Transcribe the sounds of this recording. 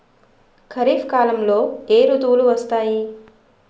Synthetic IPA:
kʰɐɾiːfkaːlɐmloːeːɾud̪uːluʋɐst̪aːji

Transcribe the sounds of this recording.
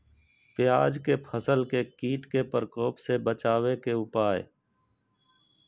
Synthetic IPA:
pɪjaːd͡ʒkepʰəsəlkekiːʈkepəɾkɔːpsebət͡ʃaːʋekeʊpaːe

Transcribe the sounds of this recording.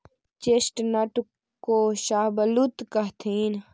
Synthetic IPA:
t͡ʃesʈnɐʈ | koːʃaːbəlut̪kəɦt̪ʰiːn

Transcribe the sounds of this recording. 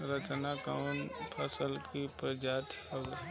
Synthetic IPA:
ɾət͡ʃnakanpʰəsəlkipɾəd͡ʒat̪ʰəɡ

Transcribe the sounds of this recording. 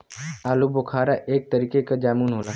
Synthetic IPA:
aːlubokʰaːɾaʔeːk̚t̪əɾiːkekad͡ʒaːmuːnɦoːlaː

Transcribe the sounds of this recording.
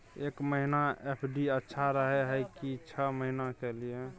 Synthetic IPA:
ekməɦinaepʰɖiətːʃʰaɾəɦeɦəjkit͡ʃʰəməɦinakelie

